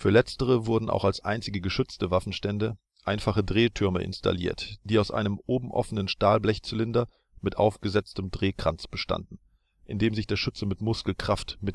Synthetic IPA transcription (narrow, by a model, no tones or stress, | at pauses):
fyːɐlɛt͡stəʁ̞əvʊɐdn̩ʔa̰ʊxalsʔa̰ɪnt͡sɪɡəɡəʃʏt͡stəvafn̩ʃtɛndə | ʔaɪnfaχədʁeːtʰʏɐməʔɪ̰nstʰa̰lḭːɐtd̥iːaʊsʔa̰ɪnəmʔoːbm̩ʔɔ̰fənənʃtaːlblɛçt͡sɪlɪndɐ | mɪtʔaʊfɡ̥əzɛt͡stəmdʁeːkʁ̥ant͡sb̥əʃta̰ndn̩ | ʔɪndeːmzɪçd̥eːɐʃʏt͡səmɪtmʊskl̩kʁ̥aftmɪt